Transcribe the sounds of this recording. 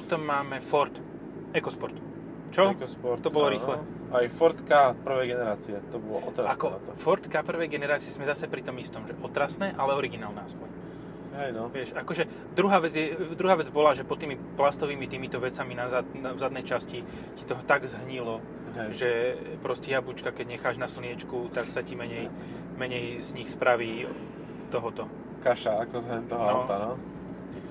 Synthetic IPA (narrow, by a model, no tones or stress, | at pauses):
pɔt̪ɔmːaːmɛfɔɾt̪ | ɛkɔspɔɾt̪ | t͡ʃɔkspɔɾɔbɔllɔɾiːxlɛ | ajfɔɾt̪kapr̩ʋɛjɡɛnɛɾaːt͡siɛt̪ɔbɔlɔ̰ʔɔt̪ɾaakɔfɔɾt̪kapr̩ʋɛjɡɛnɛɾaːt͡siɛzmɛzasɛpɾit̪ɔmist̪ɔmʒɛʔɔt̪ɾasnɛːʔalɛɔɾiɡinaːlnɛaspɔɲ | ɦɛj̪ʋɪɛʃakɔʒɛ | d̪ɾuɦaːʋɛd͡zjɛd̪ɾuɦaːʋɛd͡zbɔlaʒɛpɔt̪ːiːmiplast̪ɔʋiːmit̪iːmit̪ɔʋɛt͡saminazanavzad̪nɛjt͡ʃasci | ci̥t̪ɔɦɔt̪aɡzɦɲilɔ | ʒɛpɾɔscɛjabut͡ʃkakɛɟɲɛxaːʒnasl̩nɪɛt͡ʃkut̪aksacimɛɲɛj | mɛɲɛjz̥ɲixspɾʔaʋiː | t̪ɔɦɔt̪ɔ | kaʃaakɔzɦɛnt̪ɔɦɔt̪anɔ